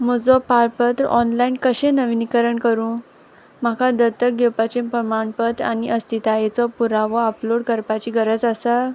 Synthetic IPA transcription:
mod͡zɔpaɾpət̪ɾɔnlainkəɕẽnəʋinikəɾəɳkəɾũ | m̤akad̪ət̪ək̚ɡewpat͡ɕẽmpɾəmaɳpət̪a̰niʔəst̪ʰit̪ajet͡sɔpuɾaʋɔəploɽkəɾpat͡ɕiːɡəɾəd͡zəsa

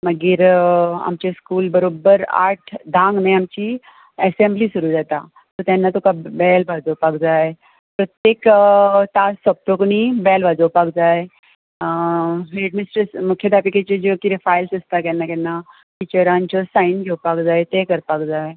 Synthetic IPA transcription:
məɡiɾa̰mt͡ɕeskuːlbəɾobəɾa̰ːɾʈʰd̪ʱãŋɡnẽamt͡ɕi | ɛsemblisuɾud͡zat̪a̰ | t̪ot̪ɛ̃nːat̪ukabɛlbʱad͡zopakd͡zae | pɾət̪jekt̪asɔb̚t̪oknibɛlbʱad͡zopak̚d͡zae | ɦeɖmisʈəɾsmukʰjəd̪ʱapiket͡ɕed͡ʑokiɾefajlsɐst̪akɛnːakɛnːa | ʈit͡ɕəɾãnt͡ɕɔsainkowpakd͡zaːet̪ekəɾpak̚d͡zae

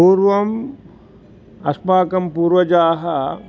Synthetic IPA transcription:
uːɾʋɐm | ɐspaːkɐmpuːɾʋɐd͡ʒaːɦɐ

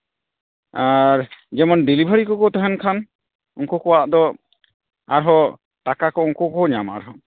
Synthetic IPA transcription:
aɾd͡ʒɛmɔnɖilibʱaɾikɔkɔt̪ɔɦɛnkʰan | ɔŋkɔkɔwaʔd̪ɔ | aɾɦɔ | ʈakakɔɔŋkɔkɔɔɲama̰ɾɦɔ

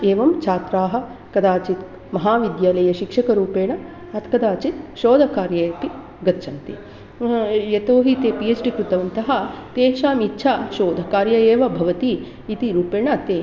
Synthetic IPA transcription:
eːʋɐmt͡ʃʰaːt̪ɾaːɦɐ̆kɐd̪aːt͡ʃit̪ | mɐɦaːʋid̪jaːlɐjɐʃikʂɐkɐɾuːpeːɳɐ | ɐt̪kɐd̪aːt͡ʃit̪̚ʃoːd̪ʱɐkaːɾjɐeːpi | ɡɐt̪t͡ʃʰɐnt̪i | jɐt̪oːɦit̪eːpied͡ʒɖikɾut̪ɐʋɐnt̪ɐɦɐt̪eːʃaːmitːt͡ʃʰaːʃoːd̪ʱɐkaːɾjɐeːʋɐbʱɐʋɐt̪iː | t̪iɾuːpeːɳɐt̪eː

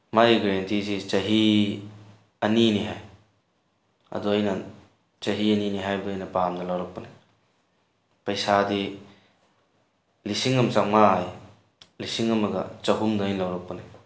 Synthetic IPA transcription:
maiɡɾentizit͡ʃɐɦi | ɐniniɦaj | ɐ̰dojnan | t͡ʃɐɦiɐniniɦajbɐjnɐpamdɐlawɾak̚puni | pɐjsadi | lisiŋɐmt͡ʃak̚maaj | lisiŋɐmɐɡɐ̰t͡ʃɐɦumdɐːjnlawɾak̚puna

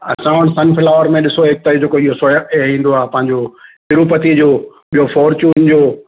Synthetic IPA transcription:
ɐ̰sãːʋəɽ̃sɐnfɪlaːʋəɾmẽɗɪsoɦeːk̚t̪aːid͡ʑeːkoiɦosoːjəkeɦĩːn̆d̪oaːɦpɐ̃ɦɪ̃ɲd͡ʑoɦɪɾupət̪id͡ʑoː | ɓijofɔːɾt͡ɕuːnd͡ʑoː

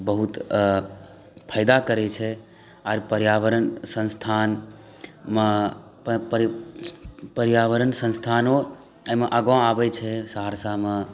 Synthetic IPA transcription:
bəɦut̪ | pʰaɪd̪akəɾɛt͡ʃʰɛ | aɾpəɾjaʋəɾənsə̃nst̪ʰan | me | ɾ | pəɾjaʋəɾənsə̃nst̪ʰanõ | əmeʔəɡãabɛt͡ʃʰɛsaɦaɾsame

